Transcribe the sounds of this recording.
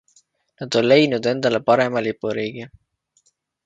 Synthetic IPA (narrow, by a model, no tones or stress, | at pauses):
nɑd̪̥o̞nle̞jnud̪e̞nd̪̥ɑle̞pɑɾe̞mɑlipːˑuɾiːɡ̥i